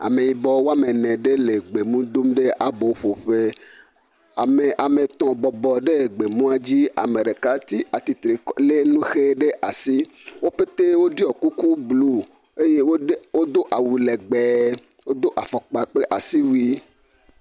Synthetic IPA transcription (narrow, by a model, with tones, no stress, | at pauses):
a̰˨me˨ji˨bɔ˨wo˦a˦me˨nɛ̃˨ɖe˦le˨ɡ͡be˨mũ˦d̪o˦mɖe˦ʔa˨bo˨˦ɸo˨ɸe˦˨ | me˨ʔa˨me˨t̪ɔ̃˨bɔ˨bɔ˨ɖe˦˨ɡ͡be˨mũ˦a˦d͡ʑi˦a̰˨mẽ˨ɖe˨ka˦t̪i˦ʔa˨t̪i˨t̪ɾe˨le˦nũ˦xe˦ɖe˦ʔa˨si˦ | wo˦pe˦t̪e˦wo˦ɖi˦ɔ˨ku˦ku˦blu˦ | e˦je˦wo˦wo˦d̪o˦ʔa˨wu˨lɛ˨ɡ͡bɛ˨ | wo˦d̪o˦ʔa˨fɔ˨k͡pa˨k͡ple˦ʔa˨si˦wi˦